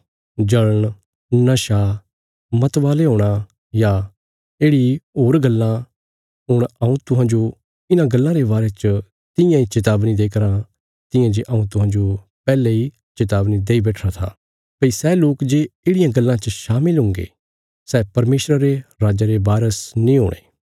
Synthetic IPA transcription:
d͡ʒɐləɳ̃ | nɐʃa | mɐt̪ʋaːleɦoːɽ̃a | ja | eːɽiɦoːɾɡɐlːã | ɦʊɽ̃ɐũt̪ʊɦãːd͡ʒo | ɪnãɡɐlːãɾeβaːɾet͡ʃə | t̪ɪ̃jãit͡ʃɪt̪̬aːbnid̪eːkəɾã | t̪ɪjãd͡ʒeʔɐũt̪ʊɦãːd͡ʒo | pɛːlei | t͡ʃɪt̪aːbnid̪eːibɛːʈʰɾat̪ʰa̰ː | pɐisɛːloːkd͡ʒeːeːɽɪjãɡɐlːãt͡ʃəʃaːmɪlɦʊ̃ŋɡḛː | sɛːpɐɾmeːʃɾəɾeɾaːd͡ʒaɾebaːɾəsnĩːɦo̰ːɽ̃ḛː

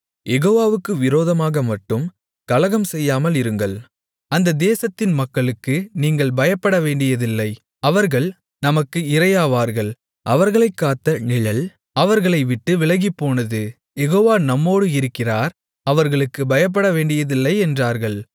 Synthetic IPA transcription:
jɛɣoːʋaːʋɯkːɯʋɪɾoːðɐmaːɣɐmɐʈːɯm | kɐlɐɣɐmsɛjːaːmɐlɪɾɯŋɡɐɭ | ɐnd̪ɐd̪eːsɐt̪ːɪnmɐkːɐɭɯkːɯniːŋɡɐɭbɐjɐpːɐɽɐʋeːɳɖɪjɐðɪlːɐɪ | ɐʋɐɾɣɐɭ | nɐmɐkːɯɪɾɐjaːʋaːɾɣɐɭ | ʔɐʋɐɾɣɐɭɐɪkːaːt̪ːɐnɪɭɐl | ɐʋɐɾɣɐɭɐɪʋɪʈːɯʋɪɭɐɣɪpːoːnɐðɯ | jɛɣoːʋaːnɐmːoːɽɯɪɾɯkːɪraːɾ | ɐʋɐɾɣɐɭɯkːɯbɐjɐp̬ːɐɽɐʋeːɳɖɪjɐðɪlːɐɪɛndraːɾɣɐɭ

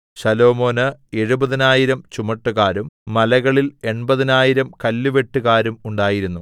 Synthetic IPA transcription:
ɕɐlo̞ːmo̞ːnɨe̞ɻubɐðinaːjiɾɐmt͡ɕumɐʈːuɣaːɾumːɐlɐɣɐɭile̞ɳbɐðinaːjiɾɐmkɐlːuʋe̞ʈːuɣaːɾumuɳɖaːjiɾunːu

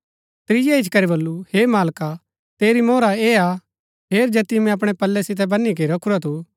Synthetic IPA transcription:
t̪ɾɪjaɪt͡ʃʰkɐɾebɐlːuheːmaːlka | t̪eːɾimoːɾaeːa | ɦeːɾd͡ʒɛːt̪imɛ̃ɐp̬ɽ̃ɛpɐlːɛsɪt̪̬ɛbɐnik̬eiɾɐkʰuɾat̪ʰu

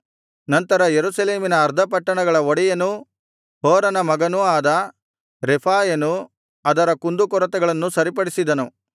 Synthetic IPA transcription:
nɐnt̪ɐɾɐjeɾusɐleːminɐːɾd̪ʱɐpɐʈːɐɳɐɡɐɭɐoɽijɐnu | ɦoːɾɐnɐmɐɡɐnuaːd̪ɐ | ɾepʰaːjɐnu | ɐd̪ɐɾɐkund̪ukɔɾɐt̪ɛɡɐɭɐnːusɐɾipɐɽisid̪ɐnu

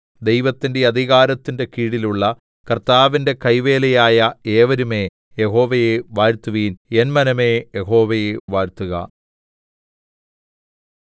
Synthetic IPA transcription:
d̪e̞jʋɐt̪ːinde̞ɐd̪ʱiɣaːɾɐt̪ːinde̞kiːɽiluɭːɐ | kɐrt̪aːʋinde̞kɐjʋe̞ːlɐjaːjɐeːʋɐɾume̞ː | jeɦo̞ːʋɐjeʋaːɾt̪ːuʋiːnenmɐnɐme̞ːjeɦo̞ːʋɐjeʋaːɾt̪uɣɐ̰

